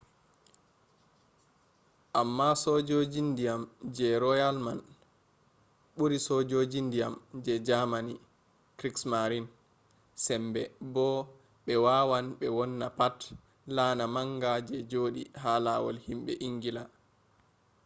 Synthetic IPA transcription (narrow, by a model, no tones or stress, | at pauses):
ʔamːasɔd͡ʒod͡ʒindijamd͡ʒɛɾɔjalman | ɓuɾisɔd͡ʒod͡ʒindijamd͡ʒɛd͡ʒamani | kɾiksmaɾin | sɛmbɛbɔ | ɓɛwawanɓɛwɔnːapat | laːnamaŋɡad͡ʒɛd͡ʒoːɗiɦalawɔ̰lhimɓɛ̰ʔiŋɡila